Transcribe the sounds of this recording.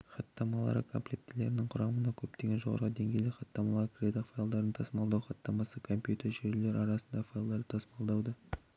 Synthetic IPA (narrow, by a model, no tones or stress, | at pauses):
χɑt̪ːɑmɑlˠɑ̰ɾəkʰo̞mplʲe̞k̚t̪ʰɪle̞ɾɪnɪŋqʰʊɾɑmənɑkʲʰɵpt̪e̞ɡʲe̞nʒoʁɑ̰ɾʁɑd̪e̞ŋɡʲe̞jlɪχɑt̪ːɑmɑlˠɑɾkʲʰɾʲed̪afajlˠd̪ɑɾənt̪ʰɑsmɑlˠd̪ɑwχɑt̪ːɑmɑsəkʰo̞mpjut̪ʲe̞ɾʒeɾle̞ɾɑɾɑsənd̪ɑfɑjlˠd̪ɑɾd̪ət̪ʰɑsmɑlˠd̪ɑwd̪ə